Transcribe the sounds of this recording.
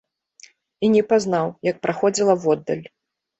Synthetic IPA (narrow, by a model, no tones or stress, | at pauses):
inʲɛpazn̪awjɐk̚pɾʔaxɔd͡zʲilˠɐwɔd̪ːɐ̰lʲ